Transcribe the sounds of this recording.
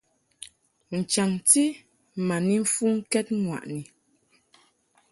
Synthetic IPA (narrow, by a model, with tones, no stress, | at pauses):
n̩˨t͡ʃa˨ŋti˦ | ma˨ni˦ɱ̩˦fu˦ŋ̩˦kɛ˦t̚ŋwa̰˨ʔni˨